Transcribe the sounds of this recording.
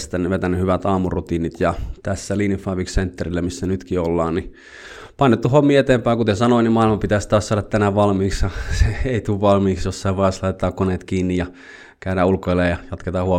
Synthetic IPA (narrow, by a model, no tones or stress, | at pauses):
st̪ænːyʋet̪ænːyhyʋæt̪ɑːmurut̪iːnit̪jɑt̪æsːæliːnifɑːʋiksent̪ːerilːæmisːænyt̪kiolːɑːnni | pɑnːet̪ːuhomːiːet̪eːmpæːˑŋkut̪esɑnoinimɑˑilmɑpit̪æst̪ɑːssɑːɾɑt̪t̪ænæʋʋɑlmiːksjɑseeit̪uːʋʋɑlmiːksjosːɑeʋɑˑislɑit̪ːˑɑːkkoneˑt̪kiːnːijɑ | kæyɾæulkoeleːjɑjɑt̪ket̪ɑhuo